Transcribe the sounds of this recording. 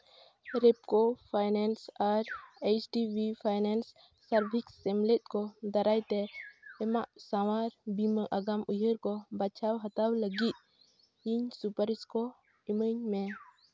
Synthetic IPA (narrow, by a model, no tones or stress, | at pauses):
ɾɛpkɔpʰajnɛnsaɾet͡ʃʈibipʰajnensː | aɾbʱiksɛmlet̪̚kɔd̪aɾajt̪ɛːmaʔsawaɾbiməʔaɡamujɦəɾkɔbat͡ʃʰawɦət̪awləɡit̪̚ | iɲsupəɾiskɔ | iməɲmɛ